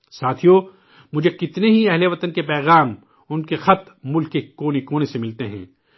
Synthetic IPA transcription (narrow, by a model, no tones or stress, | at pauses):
saːt̪ʰijo | mʊd͡ʒʱekɪt̪neɦiɛɦleʋɐt̪ənkepɛːɣaːm | ʊnkexɐt̪ | mʊlkːekoːnekoːnesemɪlt̪eɦɛ̰̃ː